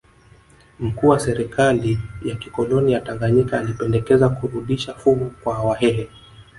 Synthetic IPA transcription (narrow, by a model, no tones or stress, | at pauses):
m̩kuːwasɛɾɛkʰalijakikɔlɔnijataŋɡaɲikaːlipɛndɛkɛzakuɾuɗiʃafuɡukwahawaɦɛɦɛ